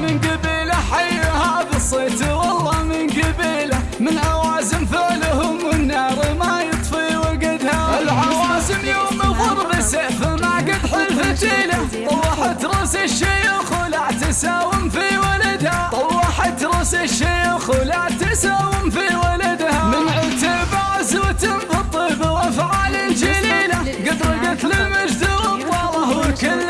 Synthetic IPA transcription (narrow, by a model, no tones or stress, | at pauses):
mɪnɡabiːlaħajːhaðɨsˤːeːt̪wɑlˤːɑːmɪnɡabiːla | mɪnʔawaːzɪmfɪʕlhʊmwɪnːɑːɾmajɨt̪ˤfiwaɡɪd̪haʔɪlʕawaːzɪmjoːmiɣʊɾˤbɪsafamaɡɪd̪ħlfad̪iːla | t̪ˤɑwːɑħat̪ɾˤʊsɪʃːiːxʊlaʕt̪asaːwɪmfiwalad̪ha | waħat̪ɾˤʊsɪʃːiːxʊlaʕt̪asaːwɪmfiwalad̪hamɪnʕʊt̪abaʕzwt̪ɪmfɑt̪ˤːɨbwʔafʕaːlɪnd͡ʒiliːla | ɡɪd̪ɾˤɪɡɪt̪lɪlmad͡ʒzuwɨt̪ˤːɑːlɑhwɪkɪlː